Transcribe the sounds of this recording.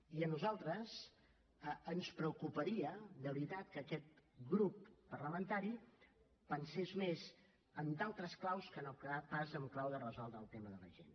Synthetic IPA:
iənuzalˠt̪ɾəz | əənspɾəukupəɾiəd̪əβɾit̪at̪̚kəːkɛt̪̚ɡɾupːərləmənt̪aɾi | pənsezmez | ənd̪alˠt̪ɾəsklawskənokapazəmklawðərəzɔlˠd̪ɾəːlˠt̪eməðələ̰ʒḛn

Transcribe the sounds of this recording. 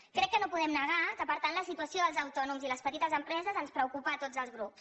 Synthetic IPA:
kɾɛkːənopuðɛmnəɣ̞at̪əpəɾt̪anləsit̪uəsioðəlˠzəwt̪ɔnumziləspət̪it̪əzəmpɾɛzəzənspɾəukupat̪od͡zəlzɣɾups

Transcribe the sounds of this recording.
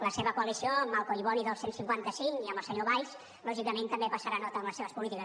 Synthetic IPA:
ləseβəkuəlisioəmalˠkoiβɔniðəlˠsensiŋkwant̪əsiŋiəmbəlˠsəɲoβajs | lɔʒikəment̪əmbepəsəɾanɔt̪əːmləseβəspulit̪ikə

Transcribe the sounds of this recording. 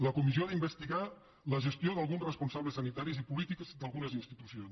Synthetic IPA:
ləkumizioaðimbəst̪iɣa | ləʒəst̪joðəlˠɣunzrəspunsaβləsːənit̪aɾizipulit̪ikzd̪əlˠɣunəzinst̪it̪usions

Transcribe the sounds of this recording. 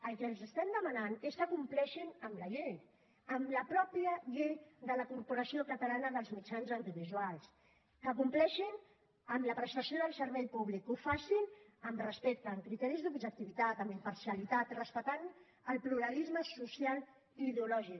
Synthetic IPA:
əlˠkɛlzəst̪ɛmd̪əmənaneskəkumplɛʃinəmləʎej | əmləpɾɔpjəʎejd̪ələkurpuɾəsiokət̪əlanəðəlˠzmit͡ʃanzant̪iβizwalˠs | kəkumplɛʃin | əmləpɾəst̪əsioðəlˠsəɾβɛjpuβlikufasinəmrəspek̚t̪əːmkɾit̪ɛɾizðubʒək̚t̪iβit̪at̪əmimpəɾsiəlit̪at̪rəspək̚t̪an | əlpluɾəlizməsusial | iːðeulɔʒik

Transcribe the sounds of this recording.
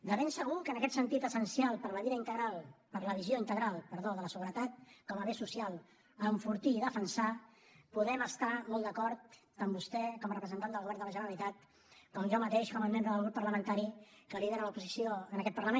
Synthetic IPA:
d̪əβensəɣukənəkɛt̪sənt̪it̪əsənsialˠpəɾβəðiɾəint̪əɣalˠpəɾləβizjoint̪əɣɾalˠpəɾðoðələsəɣuɾət̪at̪̚kɔməβesusialˠ | əɱfuɾt̪iːðəfənsapuðɛməst̪amɔlˠd̪əkɔɾt̪ː | əmbust̪ɛkɔmərəpɾəzənt̪anəlˠɣuβɛɾnd̪ələʒənəɾəlit̪at̪̚ | kɔmʒɔmət̪eʃkɔməlnend̪əðəlˠɣɾupːəɾləmənt̪aɾikəliðeɾələupuzisjoənəkɛt̪̚pəɾləmen

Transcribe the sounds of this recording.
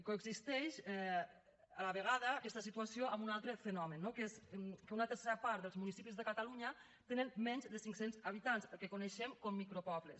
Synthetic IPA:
koeɡzist̪ɛʃɛ | alaβeɣ̞aðaːkɛst̪asit̪uasjoambunalˠt̪ɾəfenɔmenːokeskəunat̪əɾseɾapaɾt̪ðəlˠzmunisipizðekat̪aluɲa | t̪enənmɛɲzd̪əsiŋksenzaβit̪anzəlkekoneʃemkomːikɾopɔβles

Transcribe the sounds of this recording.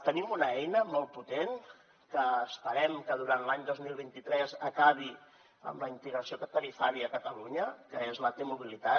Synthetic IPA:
t̪ənimunəɛjnəmɔlˠt̪̚put̪en | kəːspəɾɛmkəðuɾant̪lˠaɲd̪ozmilˠβint̪it̪ɾɛzəkaβi | ə̰mləint̪əɣɾəsiokət̪əɾifaɾiəkət̪əluɲəkəezlət̪emuβilit̪a

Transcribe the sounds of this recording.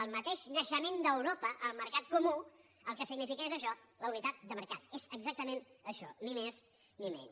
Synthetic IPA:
əlˠmət̪eʃnəʃəmend̪əwɾopəʔəlˠməɾkat̪̚kumu | əlˠkəsiɡnifikəezəʃɔləunit̪at̪̚d̪əməɾkat̪ezəɡzak̚t̪əmenəʃɔ̰nimes | nimḛn

